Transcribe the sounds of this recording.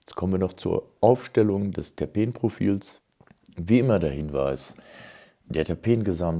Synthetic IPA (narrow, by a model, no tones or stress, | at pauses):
ɛt͡skʰɔmənviːɐnɔχt͡suːɐʔaʊfʃtɛlʊŋdɛstʰapeːnpʁ̥ofḭːls | viːʔɪmɐdahɪnvaɪs | d̥eːɐtʰapʰeːnɡəzam